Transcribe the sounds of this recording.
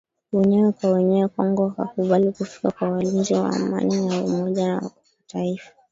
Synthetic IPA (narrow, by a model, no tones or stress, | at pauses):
wɛɲɛwɛkwawɛɲɛwɛkaŋɡɔwaka̰kuɓalikufi̥kakwawalind͡ʒiwa̰ːma̰ninaumɔʄanawa̰kuataifḁ